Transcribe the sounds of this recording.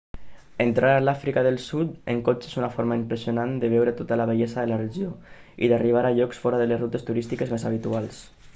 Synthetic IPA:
ent̪ɾʔaɾalafɾikaðəlˠsut̪ḛŋkot͡ʃezunafoɾmaimpɾesiunand̪əβ̞ɛwɾet̪ot̪alaβeʎezaðəlareʒio | ḭðariβ̞aɾaʎɔksfɔɾaðəlezrut̪est̪uɾist̪ikezmezaβ̞it̪ualˠs

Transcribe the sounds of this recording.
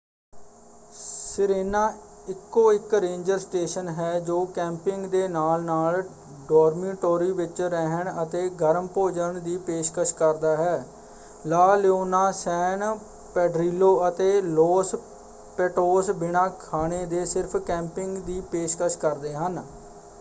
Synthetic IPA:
sɪɾeːnãː | ɪkːoːɪkɾẽːɲd͡ʒəɾsʈeːʃənɦɛːd͡ʒoːkɛ̃ːmpɪŋɡd̪eːnaːlnaːl | ɖoːɾmiːʈoːɾiːʋɪt͡ʃɾɛɦəɳət̪eːɡəɾəmpoːd͡ʒəɳd̪iːpeːʃkəʃkəɾd̪aːɦɛː | laːleoːnaːsɛːn | pɛːɖɾiːloːət̪eːloːs | pɛːʈoːsbɪɳãːkʰaːɽeːd̪eːsɪɾpʰkɛ̃ːmpɪŋɡd̪iːpeːʃkəʃkəɾd̪eːɦən

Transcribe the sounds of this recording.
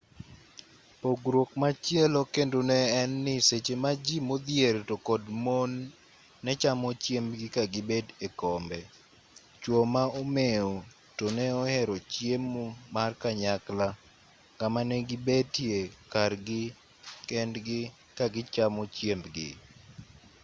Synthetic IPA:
poɡɾwokmat͡ʃjɛlɔkendonɛɛnːɪset͡ʃemad͡ʒimod̪jertokɔdmonː | ɛt͡ʃamɔt͡ʃjembɡɪkaɡɪbedekɔmbɛ | t͡ʃwomaomeo | tonɛɔhɛɾot͡ʃjemumarkaɲakla | kamanɛɡɪbetjekarɡɪ | kɛndɡɪ | kaɡɪt͡ʃamɔt͡ʃjembɡɪ̰

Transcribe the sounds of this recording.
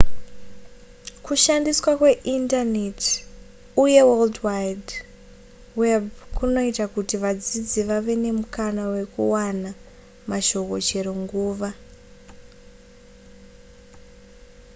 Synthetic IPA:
kuʃandiswakwe̞ʔintanet | uje̞weldwajd | webkuno̞itakutiʋad͡zid͡ziʋaʋe̞ne̞mukanawe̞kṵwana | maʃo̞ko̞t͡ʃe̞ɾo̞ŋɡuːʋa

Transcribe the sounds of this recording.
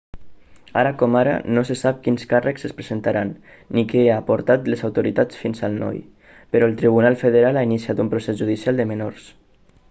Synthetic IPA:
a̰ɾəkɔmaɾə̰nosesap̚kinskarəksəspɾezent̪aɾanː | ikɛapuɾt̪at̪ləzawt̪uɾit̪at͡sfinzəlˠnɔ̰j | pəɾɔlˠt̪ɾiβ̞unalˠfəðəɾalainisiat̪umpɾosezʒuðisialˠd̪əmənoɾs

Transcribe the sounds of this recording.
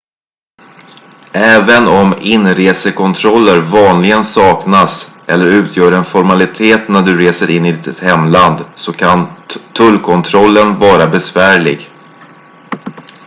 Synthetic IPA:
ʔɛːvənɔmɪnːɾeːsəkʰɔnt̪ʰɾɔlːəɾvɑːnlɪɡənsɑːknasʔɛlːəɾʉ̟ːt̪ʰjœːɾɛnfɔɾmalɪt̪ʰeːt̪næɖɵɾeːsəɾɪnːɪd̪ɪt̪hɛmːland̪sɔkʰant̪ʰɵlkʰɔnt̪ʰɾɔlːənvɑːɾabɛsvæːɭɪ̰ɡ

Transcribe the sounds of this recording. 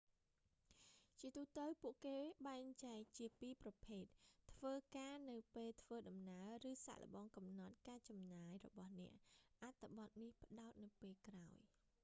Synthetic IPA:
t͡ɕiət̪uːt̪əwpuəʔkeːɓaɛŋt͡ɕaɛk̚t͡ɕiəpiːprɑpʰeːt̪̚t̪ʰːʋəːkaːnɨwpeːlt̪ʰʋəːɗɑmnaərɨːsa̰ːlə̰̆ɓɑːŋkɑmnɑt̪̚kaːt͡ɕɑmnaːjrɔ̰ɓɑhnɛ̆əʔʔat̪ʰːɨɓɑt̪̚nihpə̆ɗaɔt̪̚nɨwpeːlkraɔj

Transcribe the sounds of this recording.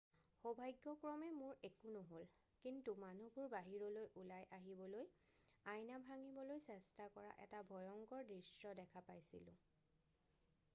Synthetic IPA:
xobʱajɡːɔkɹɔmɛmʊɹekunɔɦol | kintumanubʊɹbaɦiɹɔlojʔulajʔaɦibɔloj | ajnabʱaŋibɔlojsɛstakɔɹa̰ʔɛ̰tabʱɔjɔŋkɔɹdɹisɹɔdɛkʰapajsḭlʊ̰̃

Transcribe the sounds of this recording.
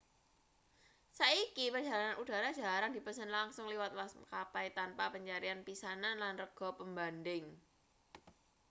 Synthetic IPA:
saikipərd͡ʒalananud̥a̤ɾḁʒ̥a̤ɾandipəsənlaŋsʊŋliwat̪̚laskapajt̪anpapəɲt͡ʃaɾianpisananlanrəɡ̥ɔ̤pəmbandɪŋ

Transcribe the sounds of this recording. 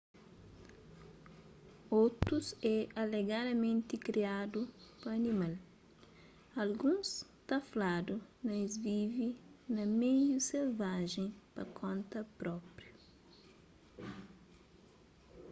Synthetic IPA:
owt̪ɾusɛaleɡad̪ɐmẽnt̪ikɾiad̪upɐɐnĩmal | ɐlɡũst̪ɐflad̪unɐ̃zvivinɐmejuselvaʒẽj̃pɐkʰõnt̪ɐpɾɔpɾju

